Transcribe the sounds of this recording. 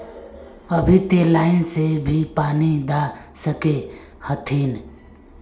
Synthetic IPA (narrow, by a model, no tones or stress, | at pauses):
əbʱit̪elaːɪnsebʱipaːnid̪asəke | hət̪ʰiːn